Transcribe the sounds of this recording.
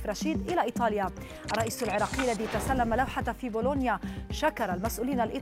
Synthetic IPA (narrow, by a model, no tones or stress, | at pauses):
fɾˤɑʃiːd̪ʔɪlaʔiːt̪ˤɑːlja | ʔɑrˤːɑʔiːsalʕɪɾˤɑːqijːalːaðiːat̪asalːamalawħat̪fiːboːlonjaʃakɑɾˤɑlmasʔuːliːnalʔi